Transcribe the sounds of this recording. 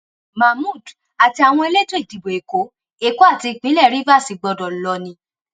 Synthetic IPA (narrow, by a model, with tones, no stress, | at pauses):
ma˨mũ˦˨d | a˨ti˧a˨w̃ɔ̃˧e˧le˦tõ˦i˨ti˨bo˨e˨ko˨˦ | e˦˨ko˦a˦˨ti˧˨k͡pĩ˨˦lɛ˦˨ɾi˦va˦˨si˨˦ɡ͡bɔ˧dɔ̃˨lɔ˧nĩ˧